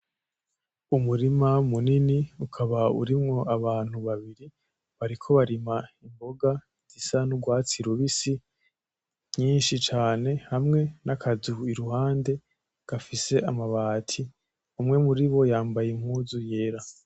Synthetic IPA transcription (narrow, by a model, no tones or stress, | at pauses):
umuɾimamuniniukʰaβaṵɾimŋo̞aβaːn̥huβaβiɾi | βaɾikʰo̞βaɾimaimbo̞ɡa | z̥isanuɡwaːt͡siɾuβisi | ɲiːnʃit͡ʃaːne̞hamŋe̞nakʰazuiɾuɦaːnde̞ | ɡ̥afise̞ʔamaβaːtʰi | umŋe̞muɾiβo̞jaːmbajem̥huːzuje̞ːɾa